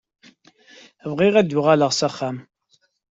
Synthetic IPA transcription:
vʁiʁæd̪ʊʁaləʁsæχːæm

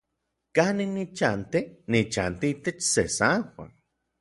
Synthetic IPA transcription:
kaninit͡ʃant̪enit͡ʃant̪iit̪et͡ʃsesawa̰n

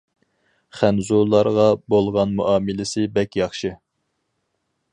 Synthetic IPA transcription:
χænzulˠːɑɾʁɑbolˠʁɑnmuʔɑːmɪlɪsɪbɛkʲjɑχʃɨ

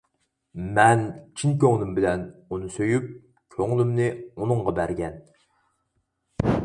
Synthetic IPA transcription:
mɛnt͡ʃʰinkʲøŋlˠymbɪlɛnunɨsøjyp̚ | kʲʰøŋlymnɪunɨɴʁɑbæɾɡʲɛn

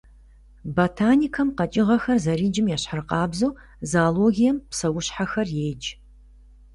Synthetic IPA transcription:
botʰaːnikʰɐmqɐt͡ʃʼɪʁɐxɐrzɐɾiːd͡ʒɪmjaːɕħarɨqɑːbzoː | zaːloːɣijɛmpsɐwʊɕħaxɐrjeːd͡ʒ

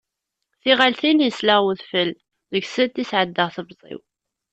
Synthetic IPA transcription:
θiʁalθinjəslaʁwuðfəlː | ðəɡsət̪ːisʕəd̪ːəʁθəbzˤḭw

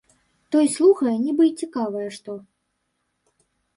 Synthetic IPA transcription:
t̪ɔjslˠuxɐjɛnʲɛbɨt͡sʲikavɐjɛʂt̪ɔ

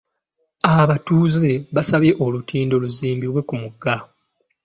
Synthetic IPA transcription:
aβatuːze̞βasaβje̞ʔolutʰiːndo̞luziːmbilwe̞kumuɡa

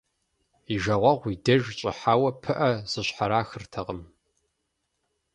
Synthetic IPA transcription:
iʒɐʁʷɐʁʷidɐʒt͡ʃʼɪ̰ħaːwɐpʰɨʔɐz̥ɨɕħaɾaːxɨrtʰɐʁəm

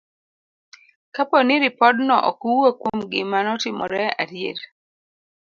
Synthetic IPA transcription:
kapɔniɾɪpɔdnɔʔɔ̰kuwokwomɡɪmanɔtimɔ̰ɾɛa̰ɾjḛl

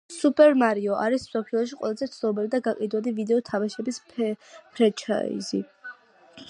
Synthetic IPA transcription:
supʼɛɾmaɾiɔʔaɾismsɔpʰilˠɔʃ̬iqʼwʔɛ̰lˠazɛt̪sʰnɔbɛlid̪aɡaqʼid̪wad̪ivid̪ɛɔt̪ʰamaʃɛbis | pʰɾɛt͡ʃʰa̰ḭzḭ

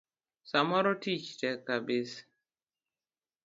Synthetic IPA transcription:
samɔɾɔtit͡ʃtɛkːabɪs

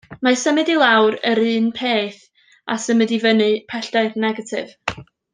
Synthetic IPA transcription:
masəmɨdilˠawɾəɾɨːnpʰeːθ | a̰səmɨdivənɨpʰɛɬd̥aɨdnɛɡatʰɪv̥

